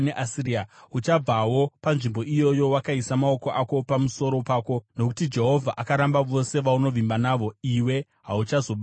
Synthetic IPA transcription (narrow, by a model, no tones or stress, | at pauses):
neʔasiriaut͡ʃab͡vawo̞panʐimbo̞ʔijo̞jo̞wakaisamao̞ko̞ʔako̞pamuso̞ɾo̞paːko̞no̞kutid͡ʒe̞ɦo̞vʱaʔakaɾambaʋo̞se̞ʋauno̞ʋimbanaːʋo̞iwe̞ | ɦaut͡ʃazo̞ɓ